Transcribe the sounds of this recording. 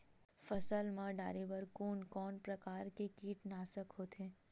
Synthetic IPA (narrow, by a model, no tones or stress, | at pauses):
fəsəlmãɖaːɾeʋəɾkoːnkɔːnpɾɐkaːɾkekiːʈnaːsəkɦoːt̪ẽː